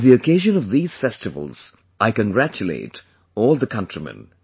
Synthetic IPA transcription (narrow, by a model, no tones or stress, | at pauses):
ðiɨkʰeɪʒɨ̃nʌvðiːz̥fɛstɨvə̰l̩ˠz̥ | ʔaɪkə̃nɡɹæt͡ʃɨlḛɪt | ɔːlˠðəkʰʌ̃ntɹ̥imɛ̰̃n